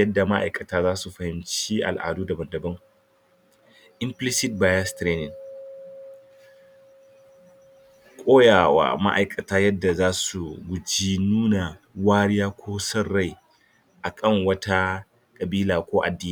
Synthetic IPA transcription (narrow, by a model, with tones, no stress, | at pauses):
jɐ˦dːa˨ma˦ʔa̰˨jkʼɐ˨taː˦zaː˦su˨ɸɐ˨hɪ˦mt͡ʃiː˦ʔa̰˨lʔa̰ː˨duː˦dɐ˨bɐ˨ndɐ˨bɐ˦ŋ | ʔɪ˦mplɪ˦sɪ˦t̚baː˨ja˦stɾeː˦nɪ˨ŋ | kʷʼoː˦jaː˨wa̰ː˨ma˦ʔa˨jkʼɐ˨taː˦jɐ˦dːa˨zaː˦su˨ɡʷʊ˨d͡ʒi˦nuː˦na˨ | waː˦ɽɪ˦jaː˦kʷʰoː˦sɐ˦rːa˦˨j | ʔa˨kʼɐ˦˨ŋwɐ˦tʰa˦ | kʼɐ˨biː˦laː˨kʷoː˦ʔa˨dːiː˦˨˦